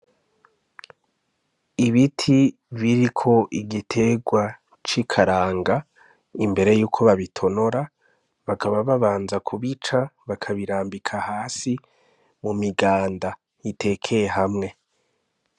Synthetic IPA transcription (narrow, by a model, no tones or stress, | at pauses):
iβitʰi | βiɾikʰo̞ʔiɡitʰe̞ɡwa | t͡ʃikʰaɾaːŋɡa | imbe̞ɾe̞juːkʰo̞βaβitʰo̞no̞ɾa | βakaβaβaβaːnzakʰuβit͡ʃaβakʰaβiɾaːmbikʰahaːsi | mumiɡaːnda | jite̞kʰe̞jeɦamŋe̞